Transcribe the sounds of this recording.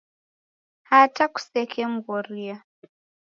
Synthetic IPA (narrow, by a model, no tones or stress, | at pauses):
hataku̥sɛkʰɛm̩ɡɔɾia